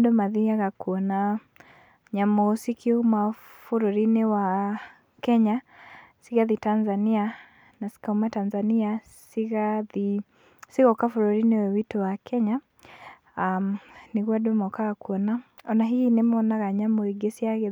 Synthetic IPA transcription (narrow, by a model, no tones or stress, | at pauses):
dɔmaðiaɣakuɔna | ɲamɔsikiuma | fuɾɔɾiniwa | kɛɲa | siɣaðitanzania | nasi̥kaumatanzania | siɣaði | siɣɔkafuɾɔɾiniwɛwitɔwakʰɛɲa | mniɣwadɔmɔkaɣakuɔnaɔnaɦiinɛmɔnaɣaɲamɔiɡɛsiaɣɛ